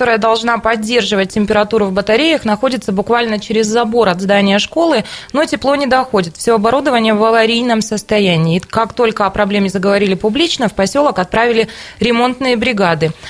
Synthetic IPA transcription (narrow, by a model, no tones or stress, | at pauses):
kɐt̪o̞ɾəjəd̪ɐlˠʐnapɐdʲːe̞rʐɨvət̚ʲtʲːɪmʲpʲɪɾɐt̪uɾʊvbət̪ɐɾʲejəxnɐxo̞dʲɪt̪səbʊkvalʲnət͡ɕɪɾʲɪzːɐbo̞ɾɐd̪zd̪anʲɪjəʂko̞lˠɨno̞tʲɪplˠo̞nʲɪd̪ɐxo̞dʲɪt̪fsʲɪoɐbɐɾud̪əvənʲɪjəvɐvɐɾʲijnəmsəst̪ɐjænʲɪːkakt̪o̞lʲkəɐpɾɐblʲemʲɪzəɡəvɐɾʲilʲɪpʊblʲit͡ɕnəfpɐsʲo̞lˠəkɐt̪̚pɾavʲɪlʲɪɾʲɪmo̞nt̪nɨjəbɾʲɪɡad̪ɨ